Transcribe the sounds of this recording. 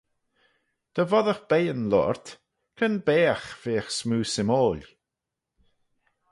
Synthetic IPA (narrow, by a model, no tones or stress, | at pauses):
d̪̥əvɔðəxb̥ejənlɔ̰ɹt̪ | kʰənbeːxv̥eːxsmuːsɪmoːlʲ